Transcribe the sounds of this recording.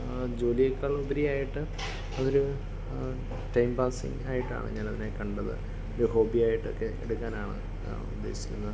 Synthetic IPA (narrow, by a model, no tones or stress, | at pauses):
d͡ʑo̞ːlijɐkːaːɭubɐɾijaːjiʈːɨ | ɐðo̞ɾu | ʈɐjmbaːsḭŋa̰ːjiʈːa̰ːɳɨ̰ɲaːnɐðinekɐɳɖɐðɨ̰ | oɾuho̞ːbijaːjiʈːo̞̰kːe̞ḛɽukːaːnaːɳɨ̰ | ṵd̪ːe̞̰ːsi̥ɾunːɨ